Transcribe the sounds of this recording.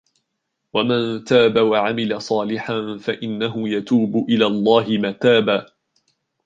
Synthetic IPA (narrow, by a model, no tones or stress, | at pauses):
wamant̪aːbawaʕamɪlasˤɑːlɪħanfaʔɪnːaɦʊjat̪uːbʊʔɪlaːlˤːɑːɦɪmaːt̪aːbaː